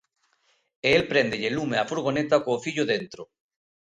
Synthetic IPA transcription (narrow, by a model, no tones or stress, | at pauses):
eelpɾend̪eʎelumeafuɾɣ̞onet̪akoːfiʎoðent̪ɾo